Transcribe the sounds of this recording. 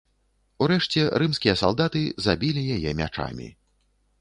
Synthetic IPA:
uɾɛʂt͡sʲɛɾɨmskʲijɐsa̰lˠd̪at̪ɨzabʲilʲijajɛmʲa̰t͡ʂa̰mʲḭ

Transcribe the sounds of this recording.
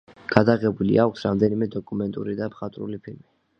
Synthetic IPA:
ɡ̥ad̪aʁɛbulḭʔakʷʰsɾamd̪ɛnimɛd̪ɔkʼumɛnt̪ʼuɾid̪apʰχat̪ʼɾṵlipʰilmi

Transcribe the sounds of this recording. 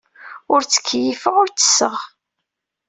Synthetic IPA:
ʊɾt͡sːə̥kːjifəʁʊɾt͡sːə̥sːəʁ

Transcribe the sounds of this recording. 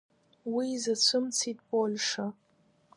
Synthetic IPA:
wijzət͡sʷʰumt͡sʰit̪̚polʂa

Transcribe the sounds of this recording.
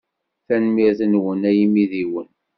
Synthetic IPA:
θænmiɾθənwənæjimiðiwən

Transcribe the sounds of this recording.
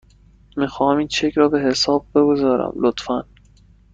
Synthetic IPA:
miːxɒːhæmiːnt͡ʃʰecʰɾɒːbe̞ɦe̞sɒːb̚be̞ɡozɒːɾæ̰mlot̪fæn

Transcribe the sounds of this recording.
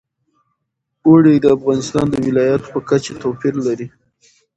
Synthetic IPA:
oɽid̪əafɣɑnɪst̪ɑ̰nd̪əwɪlɑjat̪pəkat͡ʃet̪opiɾlaɾi

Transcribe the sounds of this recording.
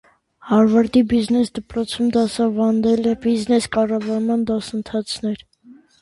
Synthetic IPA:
hɑɾvɑɾd̪ibiznɛsd̪əpɾɔt͡sʰumd̪ɑsɑvɑnd̪ɛlɛbiznɛskɑrɑvɑɾmɑnd̪ɔsənt̪ʰɑt͡sʰnɛɾ

